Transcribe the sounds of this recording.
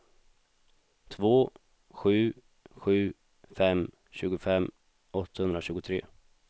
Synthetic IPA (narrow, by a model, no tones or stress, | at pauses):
t̪ʰvoː | ɧʉ̟ː | ɧʉ̟ː | fɛm | ɕʉ̟ːɡʊfɛm | ʔɔt̪ːahɵnɾaɕʉ̟ːɡʊt̪ʰɾḛː